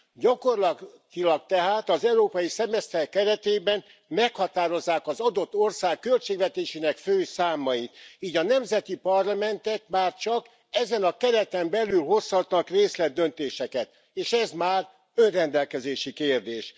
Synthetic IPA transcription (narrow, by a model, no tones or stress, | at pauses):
ɟɒko̞rlɒt̪ilɒk̚t̪ɛɦaːt̪ɒzɛuɾoːpɒjisɛmɛst̪ɛrkɛɾɛt̪eːbɛn | mɛkhɒt̪aːɾo̞zːaːkɒzɒd̪o̞t̪ːo̞rsaːkːølt͡ʃeːɡvɛt̪eːʃeːnɛkføːsaːmɒjit̪iːɟɒnɛmzɛt̪ipɒrlɒmɛnt̪ɛt̪maːrt͡ʃɒk | ɛzɛnɒkɛɾɛt̪ɛmbɛlylho̞shɒt̪nɒkreːslɛd̪ːø̞nt̪eːʃɛkɛt̪ | eːʃɛzmaːr | ø̞nrɛnd̪ɛlkɛzeːʃikeːrd̪eːʃ